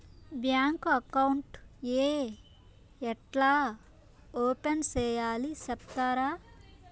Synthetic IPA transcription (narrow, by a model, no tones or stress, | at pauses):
bjaːŋkɐkɐwɳʈeː | ɛʈlaː | oːpent͡ʃɛːjaːlisɛp̚t̪aːɾaː